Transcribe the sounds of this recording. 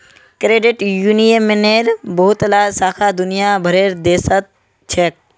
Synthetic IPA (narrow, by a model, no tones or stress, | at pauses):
kɾeːɖɪʈjuːnijəmːɪneːɾboːʊt̪əlaːsaːkʰaːd̪ʊnɪjaːbʱəɾeːɾd̪eːsət̪̚ | t͡ʃʰeːk̚